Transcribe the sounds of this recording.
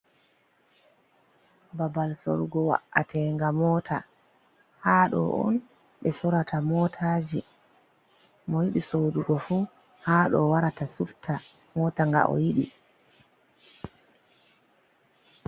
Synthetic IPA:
babalsɔ̰lɡɔwa̰ʔːatʰɛŋɡamɔtʰa̰ | haːɗɔ̰ʔɔ̰n | ɓɛsɔɾatʰamɔtʰaːd͡ʒi | mɔjiɗisoːduɡɔfu | haːɗɔwaɾatasuftʰa | mɔːtaŋɡa̰ʔɔ̰jiɗi

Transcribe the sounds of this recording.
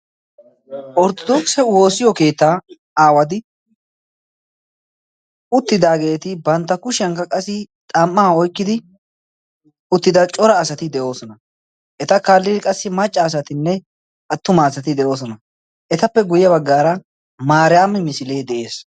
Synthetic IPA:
ʔɔɾt̪ɔd̪ɔksɛwo̞ːsɪjɔke̞ːt̪ːaː | aːwɐd̪ɪ | ʊt̪ːɪd̪aːɡe̞ːt̪ɪbɐnt̪ːɐkʊʃɪɐŋkɐkʼɐsːɪt̪ʼɐmːaːɔjkːɪd̪ɪ | ʊt̪ːɪd̪ɐt͡ʃʼɔɾɐːsɐt̪ɪd̪ɛʔo̞ːsɔnɐ | ʔɛt̪ɐkaːlːɪd̪ɪkʼɐsːɪmɐt͡ʃʼːɐːs̬ɐt̪ɪnːɛ | ʔɐt̪ːʊmaːsɐt̪ɪd̪ɛʔo̞ːs̬ɔnɐ | ʔɛt̪ɐpːɛɡʊjɐbɐɡːaːɾɐ | maːɾɪjaːmːɛmɪsɪle̞ːd̪ɛʔe̞ːs

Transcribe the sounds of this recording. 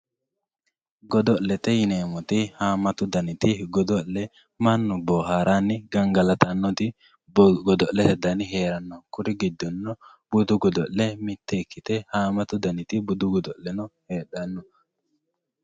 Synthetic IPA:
ɡɔd̪ɔllɛt̪ɛjɪneːmɔt̪ɪhaːmɐt̪ʊd̪ɐnɪt̪ɪɡɔd̪ɔlːɛ | manːʊbɔːhaɾʔanːɪɡɐŋɡɐlɐt̪ɐnːɔt̪ɪ | bɡɔd̪ɔʔlːɛhɛd̪ɐnɪɦeːɾɐnːɔkʊɾɪɡɪd̪ːɔnːɔ | b̥ʊd̪ʊɡɔd̪ɔlːɛmɪt̪ːɛkːɪt̪ɛhaːmɐt̪ʊd̪ɐnɪt̪ɪbʊd̪ʊɡɔd̪ɔlɛnɔheːɗɐnːɔ

